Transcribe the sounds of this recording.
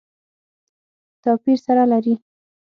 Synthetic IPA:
t̪ɑpiɾsaɾalaɾi

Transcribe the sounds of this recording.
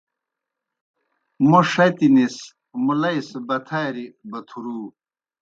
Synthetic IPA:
moʂɐt̪inis | mulɐisbɐt̪ʰajɾibɐt̪ʰuɾuː

